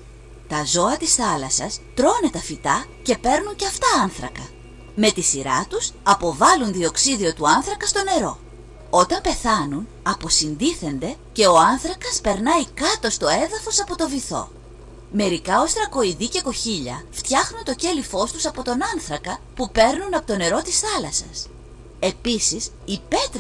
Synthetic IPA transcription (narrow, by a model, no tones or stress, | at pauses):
t̪ɐzo̞ɐt̪isθɐlɐsɐst̪ɾo̞ne̞t̪ɐfit̪ɐ | ce̞pe̞ɾnuɲceɐft̪ɐɐnθɾɐ̰kɐ | me̞t̪isiɾɐt̪usɐpo̞vɐlunðio̞ksiðio̞t̪uɐnθɾɐkɐst̪o̞ne̞ɾo̞ | o̞t̪ɐmpe̞θɐnun | ɐpo̞sind̪iθe̞nd̪e̞ | ce̞o̞ɐnθɾɐkɐspe̞ɾnɐikɐt̪o̞st̪o̞e̞ðɐfo̞sɐpo̞t̪o̞viθo̞̰ | me̞ɾikɐo̞st̪ɾɐko̞iðiceko̞çiʎɐ̰ft̪çɐxnunt̪o̞ce̞lifo̞st̪usɐpo̞t̪o̞nɐnθɾɐkɐpupe̞ɾnunɐpo̞t̪o̞ne̞ɾo̞t̪isθɐlɐsɐ̰s | e̞pisis | ipe̞t̪ɾ